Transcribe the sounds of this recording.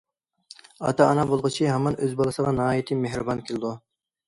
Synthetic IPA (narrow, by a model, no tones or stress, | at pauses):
ɑ̰t̪ʰɑːnɑbolˠʁʊt͡ʃʰiɦɛmɑnʔøzbɑlˠɨsəʁɑnɨɦɑːjit̪ʰɨmehɾɨbɑnkʲʰelˠɪd̪u